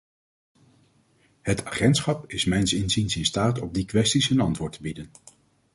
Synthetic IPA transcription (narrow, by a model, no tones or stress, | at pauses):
hətʰaːχɛntsχɑpɪsmɛjnsɪnzinsɪnstaːtɔb̚dikʋɛstisənɑntʋʊːɹtəbidən